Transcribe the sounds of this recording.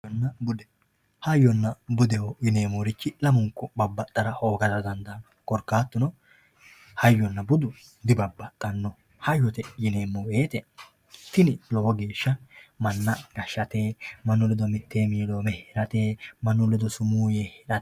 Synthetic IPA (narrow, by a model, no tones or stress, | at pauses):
nːɐbʊd̪ɛ | hɐjːɔnːɐbʊd̪ɛhɔɪne̞ːmoːɾɪt͡ʃːɪlɐmʊŋkːɔbɐbːɐt̪ʼːɐɾɐʔoːɡɐd̪ɐd̪ɐnd̪ɐnɔkɔɾkːaːt̪ːʊnɔ | hɐjːɔnːɐbʊd̪ʊ | d̪ɪbɐbːɐt̪ʼːɐnːɔ | hɐjːɔt̪ɛɪne̞ːmːoweːt̪ɛ | t̪ɪnɪlɔwɔɡeːʃːɐmɐnːɐɡɐʃːɐt̪e̞ːmɐnːʊlɛd̪ɔmɪt̪ːeːmiːloːmɛhɪɾɐt̪e̞ːmɐnːʊlɛd̪ɔsʊmuːjehɾɐ